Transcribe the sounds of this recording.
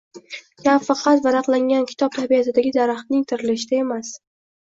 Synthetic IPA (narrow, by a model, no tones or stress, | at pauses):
kʲʰamfɑqʰɑt̪vaɾaqlˠaŋɡʲankʲʰɪ̥t̪ʰɒp̚t̪ʰabijasɪd̪aɡʲɪd̪aɾaχt̪nɪŋt̪ʰɪɾɪlɪʃɪd̪ae̞mas